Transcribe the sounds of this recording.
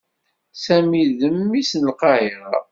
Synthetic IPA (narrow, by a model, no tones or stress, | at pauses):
sæmiðəmːisnəlqɑjɾ